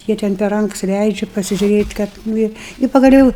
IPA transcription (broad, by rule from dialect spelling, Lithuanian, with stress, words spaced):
ˈjiɛ tʲɛn pʲɛr ˈrɐŋks ˈlʲɛɪd͡ʒʲʊ pɐsʲɪʒʲuːˈrʲeːtʲ ˈkɐt ˈnʊ ɪ ɪ pɐɡɐˈlʲoːʊ